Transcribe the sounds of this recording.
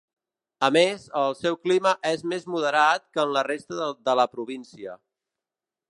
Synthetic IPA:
əmezəlˠsɛwkliməʔɛzmezmuðəɾat̪̚kəːnlərest̪əd̪ələpɾuβinsiə̰

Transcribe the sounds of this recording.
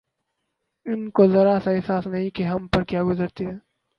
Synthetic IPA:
ɪnkozɐɾasaɛɦsaːsnɐɦĩkeɦɐmpɐɾkjaːɡʊzəɾt̪eɦɛ̃ː

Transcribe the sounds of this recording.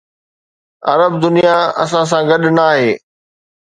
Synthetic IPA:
ɐ̰ɾəbd̪ʊnijaɐs̬ãs̬ãɡɐɗnaːɦeː

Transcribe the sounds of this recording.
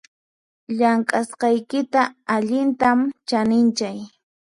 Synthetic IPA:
ʎaŋkʼasqɑjkɪt̪aaʎɪnt̪amt͡ʃanɪnt͡ʃaj

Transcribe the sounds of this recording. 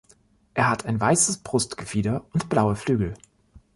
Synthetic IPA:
ʔeːɐɦatʰaɪnvaɪsəsb̥ʁʊstɡ̥əfiːdɐʊntb̥laʊəflyːɡl̩

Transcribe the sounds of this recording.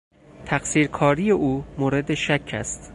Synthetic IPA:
t̪ʰæɡsiːɾkʰɒːɾijeʔuːmoːɾed̪eʃækʰːæ̰st̪

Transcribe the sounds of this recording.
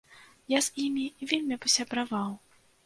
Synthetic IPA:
jaz̥imʲiːvʲelʲmʲipɐsʲabɾavaw

